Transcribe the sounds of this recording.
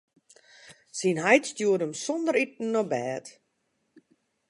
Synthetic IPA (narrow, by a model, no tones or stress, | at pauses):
sinɦajtstjuədəmsɔndəɾit̚n̩ːɔbɛːt